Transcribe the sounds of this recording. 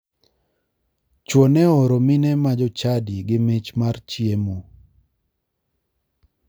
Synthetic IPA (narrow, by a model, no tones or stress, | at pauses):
t͡ʃwonɛɔɾomɪnɛmad͡ʒɔt͡ʃadiɡɪmɪt͡ʃmart͡ʃjemo